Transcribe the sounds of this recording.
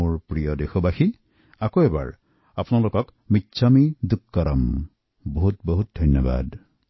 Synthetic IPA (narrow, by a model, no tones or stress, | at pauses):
oɹpɹijɔdexɔbaxi | akoɛba̰ɹ | apʊnalokɔk | mitːsʰamid̪ukːɔɾɔm | boɦutbɔɦut̚dʱɔnjɔba̰d